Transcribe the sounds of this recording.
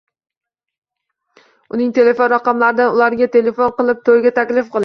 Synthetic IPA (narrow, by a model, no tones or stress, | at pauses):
ʊnɪŋt̪ʰe̞le̞fonɾaqɑmlaɾɪd̪anʊlˠaɾɡʲat̪ʰe̞le̞fonqɨlˠɪp̚t̪ʰojɡʲat̪ʰakʲlɪfqʰɨlˠɪ